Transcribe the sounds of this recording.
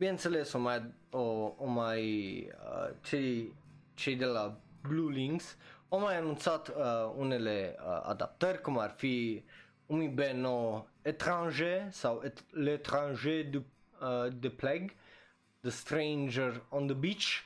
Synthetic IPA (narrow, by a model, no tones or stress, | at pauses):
bjɛ̃nsəlesɔ̃mad̪oɔ̃maj̰ | t͡ʃe | t͡ʃed̪elabluliŋsɔ̃majanɔ̃nsat̪unelḛa̰d̪a̰p̚t̪øɾkɔmaɾfi | umibenɔet̪ɾɑ̃ʒesawelet̪ɾɑ̃ʒed̪y | d̪əplɛɡ | d̪əst̪ɾejnd͡ʒəɾɔ̃nd̪əbit͡ʃ